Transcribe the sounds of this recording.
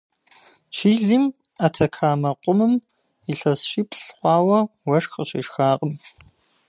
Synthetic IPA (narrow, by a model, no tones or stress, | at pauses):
t͡ʃʰiːɮiːm | atʰɐkʰaːmɐqʷʊmɨm | iɬɐsɕiːpʰɬχʷɑːwɐwɐʂxəɕḭːʂxaːqʼəm